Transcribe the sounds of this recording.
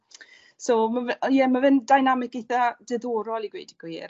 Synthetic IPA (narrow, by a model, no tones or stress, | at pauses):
somavjɛmavɨndajnamɪk̚ejθadɛðoːɾɔlˠiɡwḛjdiɡ̥wiːr